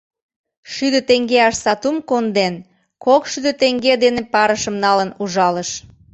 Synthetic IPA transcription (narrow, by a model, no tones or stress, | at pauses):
ʃyd̪ət̪eŋɡeɑʃsɑt̪umkond̪en | kokʃyd̪ə̆t̪eŋɡed̪enepɑɾəʃəmnɑlənuʒɑləʃ